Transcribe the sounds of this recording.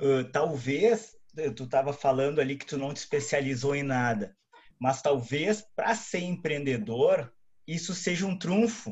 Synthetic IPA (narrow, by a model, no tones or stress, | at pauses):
ɛt̪awvesɛt̪ut̪avɐfalɐ̃nd̪ʊalikɪ̥t̪unɐ̃w̃t̪ɪ̥spesializowẽnad̪ɐ | mɐst̪awvespɾɐseɾẽpɾẽnd̪ed̪oɾ | isʊseʒɐũt̪ɾũfʊ